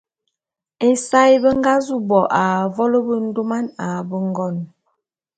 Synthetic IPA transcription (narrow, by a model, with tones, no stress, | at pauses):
e˦sa˦jbə˦ŋ˦ɡa˦zu˦bɔ˨ʔa˨vɔ˦lə˦bə˦n̩˦do˦ma˦na˨bə˦ŋ˦ɡɔ˦˨n